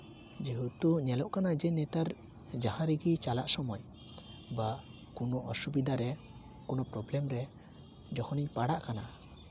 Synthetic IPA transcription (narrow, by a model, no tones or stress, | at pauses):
d͡ʒiɦut̪uɲɛlɔʔkanad͡ʒɛnɛt̪aɾ | d͡ʒahãɾiɡit͡ʃalaʔsɔmɔj | ba | kunɔʔɔsubid̪ʱaɾɛ | kɔnɔpɾɔblɛmɾɛ | d͡ʒɔkʰɔniɲpaɽaʔkana̰